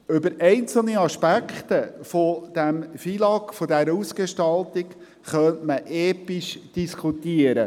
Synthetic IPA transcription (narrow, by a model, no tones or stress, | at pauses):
ʏbəɾɛɪnt͡sl̩ˠniɑʃpækχt̪əfod̥æmfilɑkfodɛɾəusɡ̥eʃtɑlt̪ik | χœntməʔɛːpiʃd̥iskʰut̪iəɾə